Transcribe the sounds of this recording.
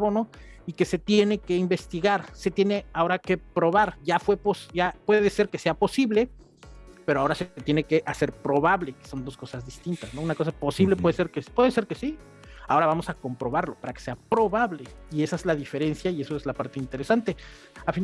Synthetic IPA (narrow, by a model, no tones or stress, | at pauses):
βonoike̞se̞t̪je̞ne̞ke̞imbe̞st̪iɣaɾse̞t̪je̞ne̞ao̞ɾake̞pɾo̞β̞aɾʝafwe̞posɟ͡ʝapwe̞ðese̞ɾke̞se̞apo̞siβle̞ | peɾoao̞ɾaseet̪jene̞ke̞ʔase̞ɾpɾo̞βaβle̞keso̞nd̪o̞sko̞sazðist̪int̪asno̞unako̞s̬apo̞siβle̞p̬weðeseɾkepweðese̞ɾke̞si | ao̞ɾaβamo̞sako̞mpɾo̞βaɾlo̞paɾake̥se̞apɾo̞βaβle̞ie̞saezlaðife̞ɾe̞nsjaie̞so̞ezlapaɾt̪e̞int̪e̞ɾe̞sant̪e̞ | afin